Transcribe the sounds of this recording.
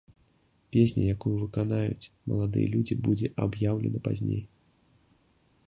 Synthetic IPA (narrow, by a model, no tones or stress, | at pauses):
pʲesʲnʲɐ̰jakujuvɨkanajut͡sʲ | mɐ̰lˠad̪ɨ̰jɛlʲud͡zʲibud͡zʲɛʔabjawlʲɛnɐpazʲnʲḛj